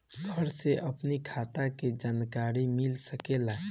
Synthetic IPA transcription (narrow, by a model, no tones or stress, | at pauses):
ɡʱəɾseʔəpnikʰaːt̪aked͡ʒaːnkaɾimilsəkela